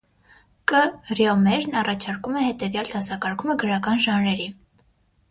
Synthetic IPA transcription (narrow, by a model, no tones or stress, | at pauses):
kərjɔmɛɾnɑrɑt͡ʃʰɑɾkumɛhɛt̪ɛvjɑlt̪ʰɑsɑkɑɾkʰuməɡəɾɑkɑnʒɑnɾɛɾi